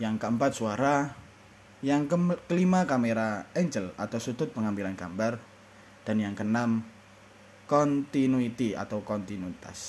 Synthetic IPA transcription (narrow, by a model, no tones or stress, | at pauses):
jaŋkəəmpat̪̚suaɾa | jaŋkəlimakameɾaeɲd͡ʒəla̰t̪awsut̪ʊt̪̚pəŋambilanɡambar | d̥anjaŋkənam | kɔnt̪inuit̪ia̰t̪awkɔnt̪inuit̪a̰s